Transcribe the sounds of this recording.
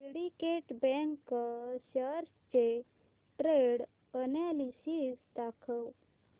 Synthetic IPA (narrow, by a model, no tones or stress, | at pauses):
ɽikeʈbɛ̃ŋkːəɕəɾst͡ɕe | ʈɾeɽ | ənalisisd̪akʰəw